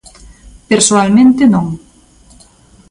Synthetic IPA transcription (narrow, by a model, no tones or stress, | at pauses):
peɾsoalmẽnt̪ɪnõŋ